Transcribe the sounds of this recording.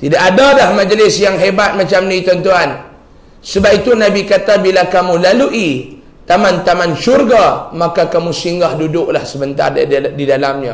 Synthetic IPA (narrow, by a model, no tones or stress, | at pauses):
t̪idaʔadalahmãd͡ʒəlɪsjaŋɦebat̪̚mat͡ʃamnĩt̪ɔnt̪uan | səbap̚it̪unãbikat̪abilakamũlaluʔi | t̪amant̪amanʃurɡamakakamũsiŋɡahdudʊʔlahsəbənt̪a̰rdidalamɲa